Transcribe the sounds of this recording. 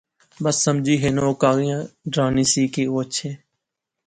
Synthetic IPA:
bəsːəmd͡ʒʱiːɦeːnoːkaːɣijãːɖɾaːniːsiːkeːoːət͡ʃʰeː

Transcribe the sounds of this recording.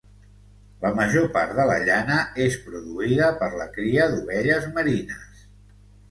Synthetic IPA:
ləməʒopa̰ɾðələ̰ʎanəespɾuðuiðəpəɾləkɾiəðuβɛʎəzməɾinəs

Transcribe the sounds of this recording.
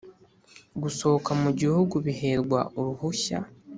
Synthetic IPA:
ɡuso̞okamuɟihuɡuβiɦe̞ɾɡwa̰ʔoɾuhuça̰

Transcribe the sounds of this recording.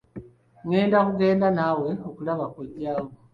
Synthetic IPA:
ŋe̞ːndakuɡe̞ːndanawe̞okulaβakoɟaːŋo

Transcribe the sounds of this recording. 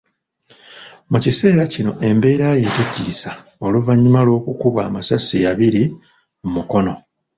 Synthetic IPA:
mucise̞ːɾacino̞̰ʔe̞mbe̞ːɾaje̞teɟisa | o̞luvaɲːumalo̞ːkukuβa̰ːmasasijaβiɾi | mumuko̞no̞

